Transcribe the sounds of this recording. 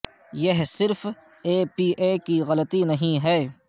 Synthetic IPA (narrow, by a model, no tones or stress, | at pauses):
jɐɦsɪɾf | eːpiːʔeːkiɣɐlət̪inɐɦĩɦɛː